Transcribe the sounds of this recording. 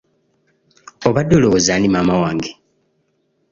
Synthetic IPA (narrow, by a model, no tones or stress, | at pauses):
oβadːolozaːnimaːmawaːŋɡe